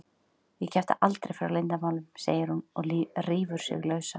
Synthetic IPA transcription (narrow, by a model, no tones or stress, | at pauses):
jɛcʰɛft̪a̰ʔalt̪ɾejfɾawlejnt̪amaːwlʏmsḛːjɪɾhunɔrɪːvʏɾ̥sɪ̰ɣlœːɥsa